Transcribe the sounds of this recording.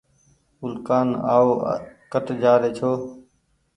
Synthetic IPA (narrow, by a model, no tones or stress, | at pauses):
ʊlkaːna̰ːoːkəʈd͡ʒaːɾeːt͡ʃʰoː